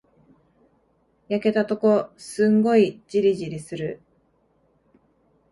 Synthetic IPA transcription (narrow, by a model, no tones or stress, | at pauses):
jake̞t̪at̪o̞ko̞sɨ̃ŋɡo̞id͡ʑiɾʲiʑiɾʲisɨɾɯ̟